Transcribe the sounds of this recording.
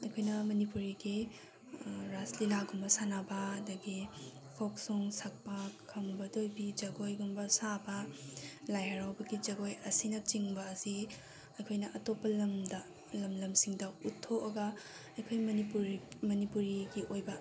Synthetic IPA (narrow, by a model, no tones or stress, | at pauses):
ɐjkʰojnɐmɐnipuɾiɡi | ɾaslilaɡumbɐsanabɐɐdɐɡi | kʰok̚suŋsak̚pɐkʰɐmbɐdojbid͡ʒɐɡojɡumbɐsabɐ | lajɐɾawbɐɡid͡ʒɐɡojɐsinɐt͡ʃiŋbɐːsi | ɐjkʰojnɐʔɐtopːɐlɐmdɐ | lɐmlɐmsiŋdɐutʰːoɐɡɐ | ɐjkʰojmipumɐnipuɾiɡiʔojbɐ